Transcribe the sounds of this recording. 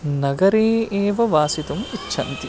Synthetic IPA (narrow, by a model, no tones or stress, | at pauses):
nɐɡɐɾeːeːʋɐʋaːsit̪ɐmit͡ʃʰːɐ̰nt̪i